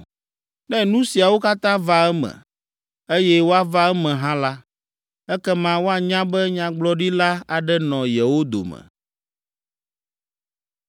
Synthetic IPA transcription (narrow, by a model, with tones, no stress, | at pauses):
nɛ̃˦nũ˦si˨a˨wo˦ka˦t̪ã˦va˦ɛ˦mɛ̰̃˨ | e˦jɛ˦wo˦a˦va˦ɛ˦mɛ̃˨ɦã˦la˦ | ɛ˦kɛ˦mã˦wo˦a˨ɲã˦bɛ˦ɲã˦ɡ͡blɔ˦ɖi˦la˦a˨ɖɛ˦nɔ̃˨jɛ˨wo˦d̪o̰˨mɛ̰˨